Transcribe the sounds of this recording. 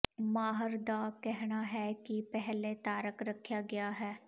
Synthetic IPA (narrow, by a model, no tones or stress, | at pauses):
maːɦəɾd̪aːkɛɦɽ̃aːɦɛkipɛɦlet̪aːɾəkɾəkʰːjaːɡɪjaːɦɛː